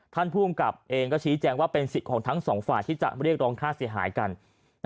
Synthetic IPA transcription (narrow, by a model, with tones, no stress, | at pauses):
t̪ʰa˥˩npʰuː˥˩ə˨mka˨˩p̚ʔeː˧ŋkɔː˥˩t͡ɕʰiː˦˥t͡ɕɛː˧ŋwaː˥˩pe˧nsi˨˩t̪̚kʰɔː˩˦ŋt̪ʰa˦˥ŋsɔː˩˦ŋfaː˨˩jt̪ʰiː˥˩t͡ɕa̰˨˩ʔɾi˥˩ək̚ɾɔː˧ŋkʰaː˥˩si˩˦ɦa̰ː˩˦jka˧n